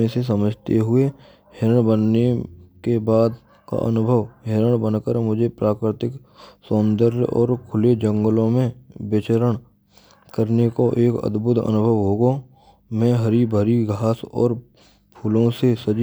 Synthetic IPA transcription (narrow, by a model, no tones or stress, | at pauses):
ẽses̬əməd͡ʒʱt̪eɦʊe | ɦeɾəɳ̃bənːekebaːd̪ | ka̰ʔə̰nʊbʱəʋɦeɾəɽ̃bənkəɾmʊd͡ʒʱepɾaːkɾɪt̪ɪk | sõːnd̪əɾɔ̰ːɾkʰʊled͡ʒə̃ŋɡəlõmẽbɪt͡ʃəɾəɽ̃ | kəɾnekoʔeːkə̰d̪bʱʊt̪ə̰nʊbʱəʋɦoːɡo | mɛ̃ːɦəɾibʱəɾiɡʱaːsɔ̰ːɾ | pʰuːlõsesəd͡ʒ